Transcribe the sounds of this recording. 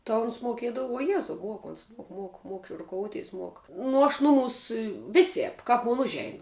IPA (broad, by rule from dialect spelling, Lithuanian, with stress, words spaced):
tɐ ˈʊns moːˈkʲiɛdɐʋʊ uɔ ˈjæːzɐʊ ˈmuɔk ˈoːns ˈmuɔk ˈmuɔk ˈmuɔk ɪ rʊˈkoːʊˌtʲiːs ˈmuɔk ˈnʊ ɐʃ ˈnʊˌmuːs ˈʋʲɪsʲɛːp ˈkɐp moːn ˈʊʒʲɛɪn